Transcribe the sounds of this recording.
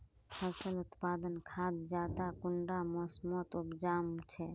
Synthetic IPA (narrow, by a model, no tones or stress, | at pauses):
pʰəsəlut̪pad̪ənkʰad̪d͡ʒat̪akʊɳɖamɔsmot̪upd͡ʒamt͡ʃʰɛ